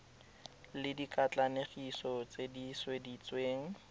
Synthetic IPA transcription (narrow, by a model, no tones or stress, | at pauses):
lɪdikat͡ɬaneχisɔt͡sediswedit͡sweːŋ̩